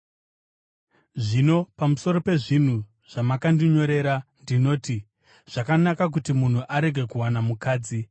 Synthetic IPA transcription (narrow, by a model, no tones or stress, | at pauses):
ʐino̞pamuso̞ɾo̞pe̞ʐin̤u | ʐ̥amakandiɲo̞ɾe̞ɾandino̞ːti | ʐ̥akanakak̬utimun̤uʔaɾe̞ɡʱe̞kuwanamukaːd͡zi